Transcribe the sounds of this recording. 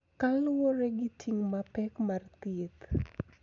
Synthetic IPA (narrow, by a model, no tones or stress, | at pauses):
kalwɔɾeɡitʰiŋmapɛkmart̪it̪